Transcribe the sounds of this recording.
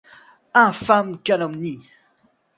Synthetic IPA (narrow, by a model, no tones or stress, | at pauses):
ãfamkʲanamni